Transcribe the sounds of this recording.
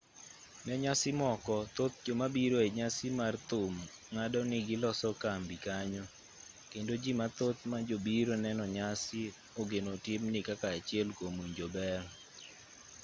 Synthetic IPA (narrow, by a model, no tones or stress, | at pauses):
mɛɲasɪmɔkɔt̪ot̪̚d͡ʒomabiɾoeɲasɪmart̪ʊm | ŋadɔnɪɡɪlɔsɔkambikaɲɔ | kendod͡ʒimat̪ot̪̚mad͡ʒobiɾonɛnɔɲasɪ | oɡenotɪmnɪkakaat͡ʃɪɛlkomuɲd͡ʒobɛr